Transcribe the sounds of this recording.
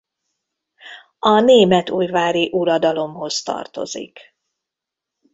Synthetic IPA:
ɒneːmɛt̪uːjvaːɾiʔuɾɒd̪ɒlo̞mho̞zt̪ɒ̰rt̪o̞̰zḭk

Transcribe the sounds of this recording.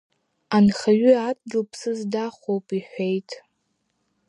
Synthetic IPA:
anχaɥʏat̚ʰʼɡʲɪlpʰsɨzdaχʷowpʼiħʷejtʼ

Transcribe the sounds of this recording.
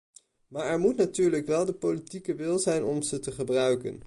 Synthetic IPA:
maːɹɛɹmutnatyːɹləkʋɛlˠdəpolitikəʋɪlˠzɛjnɔmz̥ətəχəbrœɥkə̰n

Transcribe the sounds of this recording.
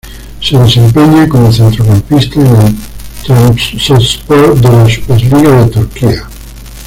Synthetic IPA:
se̞ðe̞sẽ̞mpeɲeko̞moθe̞nt̪ɾokampist̪aenent̪ɾasespoɾd̪elasu̥peɾliɣaðe̞t̪uɾkia

